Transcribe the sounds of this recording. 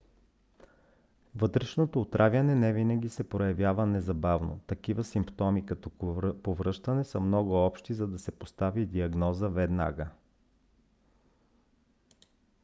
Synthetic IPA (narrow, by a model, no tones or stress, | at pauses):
vɤt̪ɾɛʃnot̪oːt̪ɾʔavʲjɐnɛnɛvinɐɡ̟ʲisɛpɾojɐvʲjavənɛzɐbavno̰t̪ɐkivəsimpt̪ɔmikɐt̪ɔpovɾɤʃt̪ɐnɛsəmnɔɡʊɔpʃt̪izɐd̪ɐsɛpost̪avid̪iɐɡnɔzəvɛd̪na̰ɡə